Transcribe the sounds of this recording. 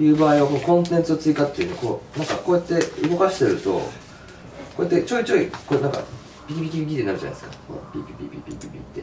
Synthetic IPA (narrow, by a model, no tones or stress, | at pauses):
jɯ̟ːbaːiβakoːkõ̞nt̪̬ẽnt͡sɨot͡sɨikat̪ːeiɯ̟nko̞̰ːnãŋkakoːjat̪ːeɯ̟ɡo̞kaɕi̥t̪e̞ɾɯ̟t̪o̞̰ | ko̞ːjet̪ːe̞t͡ɕo̞ːit͡ɕoːikonaŋka̰ | bʲikʲibʲikʲibʲikʲit̪enaɾ̟d͡ʑa̰na̰esɨ̥kako̰bʲibʲibʲibʲḭbʲḭbʲibʲḭt̪ːe